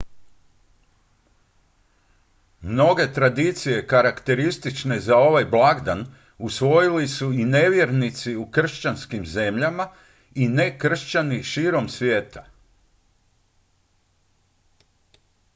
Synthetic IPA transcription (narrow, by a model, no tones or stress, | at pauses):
mno̞ɡe̞t̪ɾad̪it̪sije̞kaɾakt̪e̞ɾist̪it͡ʃne̞zao̞ʋajblˠaɡd̪an | usʋo̞jilisuine̞ʋje̞ɾnit̪siukr̩ʃt͡ɕanskimze̞mʎama | ine̞kr̩ʃt͡ɕaniʃiːɾo̞msʋʲje̞ːt̪ḁ